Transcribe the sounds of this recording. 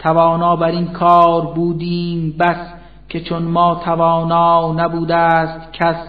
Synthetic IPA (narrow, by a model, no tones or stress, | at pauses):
t̪ʰævɒːnɒːbæɾinkʰɒːɾbuːd̪iːmbæs | kʲʰe̞t͡ʃʰonmɒːt̪ʰævɒːnɒːnæbuːd̪æst̪kʰæs